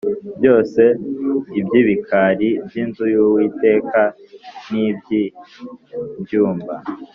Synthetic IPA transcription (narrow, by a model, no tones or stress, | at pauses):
bjo̞ːse̞ibjiːβikʰaɾibjiːnzujuwite̞ːka | nibji | bjuːmba